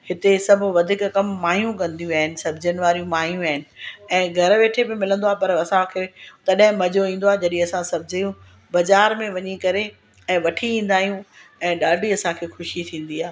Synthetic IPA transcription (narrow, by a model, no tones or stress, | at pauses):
hɪt̪esɐbʱʊʋɐd̪ʱɪkkɐmːaːɦijũk̬ɐ̃nd̪ijũaːɦɪnɪ̆sɐbʱd͡ʑənɪ̆ʋaːɾijũmaːɦijũaːɦɪnɪ̆ɛ̃ːɡʱɐɾʋeːʈʰebɪmɪlə̃nd̪oaːpɐɾɐsãkʰeːt̪ɐɗɦɪ̃mɐd͡ʑʱoĩːn̆d̪oaːed͡ʑɐɗĩɐsãsɐbʱɪd͡ʑəjũ | bɐzaːɾmẽʋɐɲikɐɾe | ɛ̃ːʋɐʈʰiĩːn̆d̪aːɦijũɛ̃ːɗaːɖʱiɐsãkʰeːxʊʃit̪ʰĩːn̆d̪iaːɦe